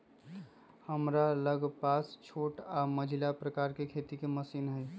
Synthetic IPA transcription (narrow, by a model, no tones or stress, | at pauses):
həmɾaləɡpast͡ʃʰoʈaməd͡ʒʱilapɾəkaɾkekʰet̪ikeməsinɦəj